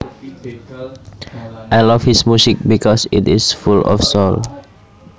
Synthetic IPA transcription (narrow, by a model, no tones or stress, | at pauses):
ʔajlʌvhismjusik̚bikʰɔsitɪsfulɔ̰fsol